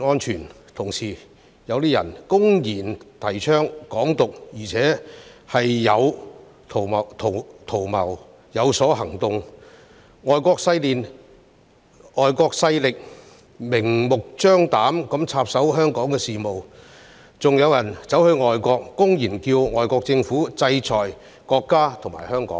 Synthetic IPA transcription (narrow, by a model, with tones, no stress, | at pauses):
ŋɔː˥nt͡ʃʰyː˨˩n | t̪ʰʊ˨˩ŋsiː˨˩ | jɐ˨˧wt̪iː˥jɐ˨˩nkʊ˥ŋjiː˨˩nt̪ʰɐ˨˩jt͡ʃʰœː˥ŋkɔː˨˥ŋt̪ʊ˨k̚jiː˨˩t͡sʰɛː˨˥hɐ˨jːɐ˨˧w | t̪ʰo˨˩ɐ˨t̪ʰo˨˩t̪ʰo˨˩wmɐ˨˩w | jɐ˨˧wsɔː˨˥ɦɐ˨˩ŋt̪ʊ˨ŋ | ŋɔː˨jkɔː˧k̚sɐ˧jliː˨n | ŋɔː˨jkɔː˧k̚sɐ˧jlɪ˨k̚ | mɪ˨˩ŋmʊ˨k̚t͡ʃœː˥ŋt̪aː˨˥mkɐ˨˥mt͡sʰaː˧p̚sɐ˨˥wɦœː˥ŋkɔː˨˥ŋkɛ˧siː˨mo˨w | t͡sʊ˨ŋjɐ˨˧wjɐ˨˩nt͡sɐ˨˥whɵ˧ɥŋɔː˨jkʷɔː˧kːʊ˥ŋjiː˨˩nkiː˧wŋɔː˨jkɔː˧k̚t͡sɪ˧ŋfuː˨˥t͡sɐ˧jt͡sʰɔː˨˩j | kɔː˧kːaː˥t̪ʰʊ˨˩ŋmaː˨˩jhœː˥ŋkɔ̰ː˨˦˥ŋ